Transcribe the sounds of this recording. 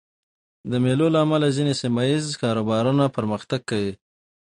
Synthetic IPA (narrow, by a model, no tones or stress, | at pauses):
d̪əmelolaːmalazinesɪmajizkɑɾobɑɾunapəɾməxt̪aɡ̚kawi